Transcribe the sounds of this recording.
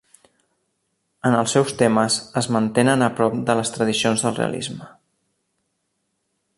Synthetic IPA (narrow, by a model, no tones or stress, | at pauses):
ənəlˠsːɛwst̪eməzəzmənt̪enənəpɾɔp̚d̪ələst̪ɾəðisionzðəlˠrḛə̰lḭzmə